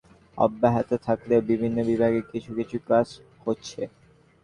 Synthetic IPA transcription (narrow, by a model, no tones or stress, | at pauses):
ɔ̰bːaɦat̪ot̪ʰakleobibʱinːobibʱaɡekit͡ɕʰukit͡ɕʰukad͡ʑ | hotːɕʰe